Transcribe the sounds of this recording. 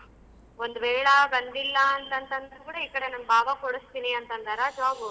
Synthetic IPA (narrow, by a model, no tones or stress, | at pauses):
ond̪uʋɛːɭɐbɐnd̪ilːɐːnt̪ɐnt̪ɐnd̪kuːɽɐikːɐɽenɐmɐbaːbɐkɔɽust̪iniɐnt̪ɐnd̪ɐɾaːd͡ʒaːbu